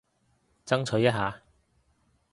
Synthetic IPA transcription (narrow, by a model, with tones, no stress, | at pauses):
t͡sɐ˥ŋt͡sʰɵ˨˥jɐ˥ɦaː˨˧